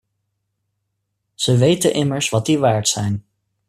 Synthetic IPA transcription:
z̥əʋejtənʔɪməɹsʋɑt̚diʋaːɹtsɛjn

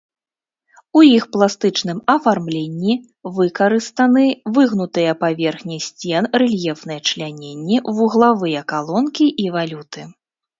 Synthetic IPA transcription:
ujixplˠast̪ɨt͡ʂnɨmɐfarmlʲenʲːi | vɨkɐɾɨst̪ɐnɨvɨɣnut̪ɨjɐpavʲɛrxnʲisʲt͡sʲɛnrɛlʲjɛfn̪ɨjɐt͡ʂlʲanʲenʲːivuɣlˠavɨjɐkalˠɔnkʲiʔivalʲut̪ɨ

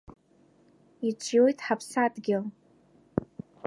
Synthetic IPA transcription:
it͡ʃʷʰʼjojtʼħapʰsadɡʲɪl

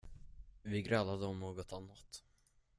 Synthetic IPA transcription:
vɪɡɾalːad̪əɔmnoːɡɔt̪anːat̪

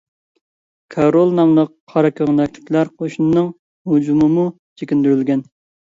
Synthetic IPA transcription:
kʰɑɾolˠnɑmlˠəqʰːɑɾɑkʲʰøʁnɛkʲt̪ʰɪ̥pʰlæɾqʰoʃnɨnɨŋ | hud͡ʒumɨmu | t͡ʃʰekʲind̪yɾylɡʲɛn

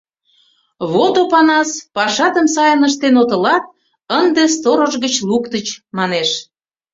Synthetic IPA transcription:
βot̪opɑnɑspɑʃɑt̪əmsɑjənəʃ̬t̪enot̪ə̆lɑt̪̚ | ənd̪est̪oɾəʒɣət͡ɕlukt̪ət͡ɕmɑneʃ

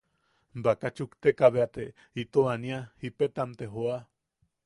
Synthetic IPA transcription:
bakat͡ʃukt̪ekaβeat̪e | it̪oaniahipet̪amt̪eɦoa

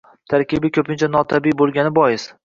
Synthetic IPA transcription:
t̪ʰaɾkʲɪbɪkʲʰɵpʰɪnt͡ʃʰanɒt̪ʰabibolˠɡʲanɪbɒjɪs

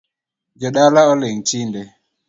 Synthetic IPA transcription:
d͡ʒɔɗalaɔleŋt͡ʃindɛ

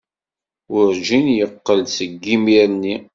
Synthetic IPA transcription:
ʊɾd͡ʒinjəqːəlsəɡːimiɾni

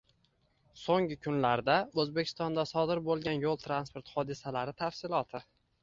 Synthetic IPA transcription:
soŋɪkʰʊnlaɾd̪aɵzbekʲʰɪst̪ɒnd̪asɒd̪ɪɾbolˠɡʲanjolˠt̪ʰɾanspoɾt̪hɒd̪ɪsalaɾɪt̪ʰafsɪlˠɒt̪ʰɪ

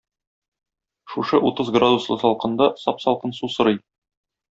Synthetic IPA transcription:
ʃuʃɤʔut̪ɤzɡrad̪uslˠɤsɒlˠqɤ̆nd̪ɑsɒpsɒlˠqɤnsusɤ̆ɾɤj

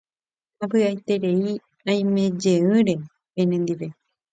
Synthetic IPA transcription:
apɨajt̪e̞ɾe̞i | ãj̃mẽ̞d͡ʒe̞ɨ̃ɾe̞ | pẽnẽnd̪iʋe̞

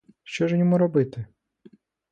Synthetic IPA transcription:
ʃt͡ʃɔʒnʲɔmuɾɔbɪt̪ɪ

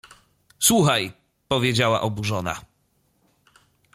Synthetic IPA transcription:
swuxaj | pɔvʲjed͡ʑawa̰ʔɔbuʐɔna̰

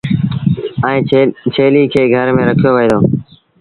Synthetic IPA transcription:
əĩːt͡ʃʰeːliːkʰeːɡʱəɾmẽːɾəkʰɪjoːʋiːd̪oː

